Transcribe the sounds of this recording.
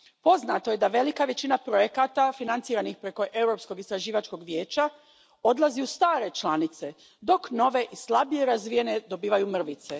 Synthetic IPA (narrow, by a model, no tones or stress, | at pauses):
po̞znat̪o̞je̞d̪aʋe̞likaʋe̞t͡ɕinapɾo̞je̞kat̪afinant̪siːɾanixpɾe̞ko̞ʔe̞wɾo̞psko̞ɡist̪ɾaʒiːʋat͡ʃko̞ɡʋje̞ːt͡ʃa | o̞d̪laziust̪aːɾe̞t͡ʃlanit̪se̞ | d̪o̞kno̞ʋe̞ʔislabije̞ɾazʋije̞ne̞d̪o̞biːʋajumr̩ʋit̪se̞